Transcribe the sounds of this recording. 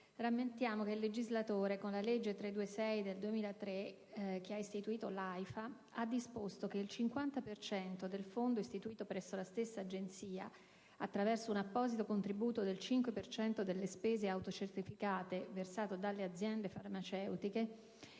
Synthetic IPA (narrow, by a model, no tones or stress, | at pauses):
ramːent̪jaːmokeilːed͡ʒizlat̪oːɾekonlaled͡ʒːet̪ɾed̪uːesɛjd̪eld̪uemiːlat̪ɾe | k̟eaist̪it̪uiːt̪olajfa | ad̪ːispost̪ok̟eilt͡ʃiŋkwant̪apert͡ʃɛnt̪od̪elfond̪oist̪it̪uiːt̪opɾɛsːolast̪esːaːd͡ʒent̪siːa̰ | at̪ːɾavɛrsounapːɔːzit̪okont̪ɾibuːt̪od̪elt͡ʃiŋkwepert͡ʃɛnt̪od̪elːespeːzeawt̪ot͡ʃert̪ifikaːt̪eversaːt̪od̪alːead̪zːjɛnd̪efarmat͡ʃɛwt̪ike